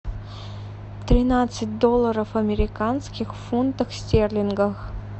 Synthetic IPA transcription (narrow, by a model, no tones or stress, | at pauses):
t̪ɾʲinat̪sɨt̚ʲd̪olˠːɐɾəfɐmʲeɾʲɪkanskʲixfunt̪əxsʲtʲerlʲɪnɡəx